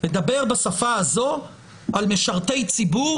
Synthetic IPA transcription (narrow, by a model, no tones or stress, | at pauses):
led̪abe̞ʁbasafaazo̞ | ʔalmeʃaʁt̪ejt͡sibu